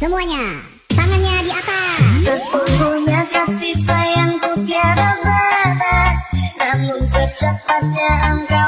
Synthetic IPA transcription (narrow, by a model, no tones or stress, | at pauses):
səmuaɲa | t̪aŋanɲadiakasəpurkuɲasap̚sisajaŋt̪upiaɾabat̪askanːusət͡ʃapat̪̚ɲaʔəŋka